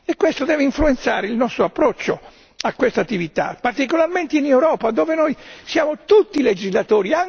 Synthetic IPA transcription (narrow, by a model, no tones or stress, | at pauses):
ekwest̪od̪ɛːveiɱfluent̪saːɾeilnɔst̪ɾoapːɾɔt͡ʃːo | akːwest̪at̪ːivit̪a̰part̪ikolarment̪einɛwɾɔːpad̪oːvenojsjaːmot̪ut̪ːiled͡ʒizlat̪oːɾiaŋ